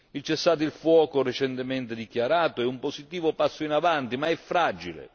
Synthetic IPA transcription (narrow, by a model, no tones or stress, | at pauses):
ilt͡ʃɛsːaːt̪̬ilfwɔːkoret͡ʃɛnt̪ɪmɛnt̪ɪd̪ikjaɾaːt̪oɛumposit̪iːvʊpasːʊinavant̪imaɛfːɾad͡ʒilḛ